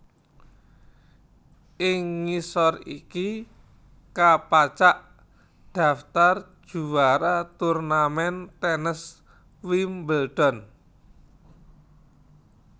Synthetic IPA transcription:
ʔɪŋːisɔrḭki | kapat͡ʃaʔ | d̪̥a̤ft̪ar̥ʒ̥ṳwaɾat̪urnamɛnt̪ɛnəs | wimbəlɖ̪̥ɔ̤n

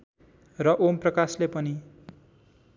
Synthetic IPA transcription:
rʌʔomprʌkaslepʌni

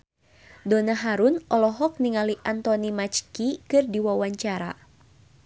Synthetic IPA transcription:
dɔnaɦaɾunʔɔlɔɦɔk̚niŋaliʔant̪ɔnimat͡ʃkikɨrdiwawaɲt͡ʃaɾa̰

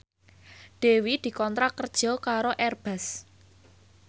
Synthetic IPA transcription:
ɖ̪̥e̤wid̪̥i̤kɔnt̪ɾakərd̥ʒ̥ɔ̤kaɾoʔɛrb̥a̤s

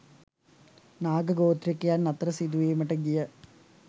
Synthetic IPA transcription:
naːɡɐɡoːt̪ɾikːɐjaːnnːɐt̪ɾɐsid̪uʋeːmɐʈɐɡijɐ

